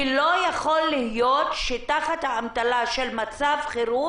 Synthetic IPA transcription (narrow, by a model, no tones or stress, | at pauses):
lo̞jaχo̞lːihjo̞t̪ʃet̪aχat̪haːmt̪alaʃelmat͡savχeɾu